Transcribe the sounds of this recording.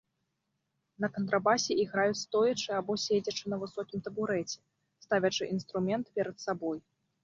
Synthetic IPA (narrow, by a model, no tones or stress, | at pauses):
nɐkɐnt̪ɾabasʲɛʔiɣɾajut͡sʲst̪ɔjɐt͡ʂɨabɔsʲed͡zʲɐt͡ʂɨnɐvɨsɔkʲimt̪ɐbuɾɛt͡sʲɛ̥ | st̪avʲɐt͡ʂɨʔinst̪ɾumʲɛnt̪pʲɛɾɐt̪sabɔj